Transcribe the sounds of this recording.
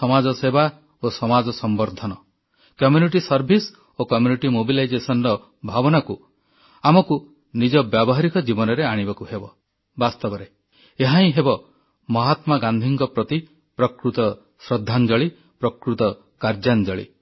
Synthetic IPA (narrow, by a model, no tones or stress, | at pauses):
sɔmad͡ʒɔseba | osɔmad͡ʒɔsɔmbɔɾd̪ʱɔnɔ | kɔmjuniʈisɔɾbʱis | okɔmjuniʈimobilajd͡ʒesɔnɾɔ | bʱabɔnaku | amɔku | nid͡ʒɔbjabɔɦaɾikɔd͡ʒibɔnɔɾeaɽ̃ibɔkuhebɔ | bast̪ɔbɔɾe | eɦaĩɦebɔ | mɔɦat̪maɡand̪ʱiŋkɔpɾɔt̪i | pɾɔkɾut̪ɔ | sɾɔd̪ʱːand͡ʒɔɭi | pɾɔkɾut̪ɔ | kaɾd͡ʒand͡ʒɔɭḭ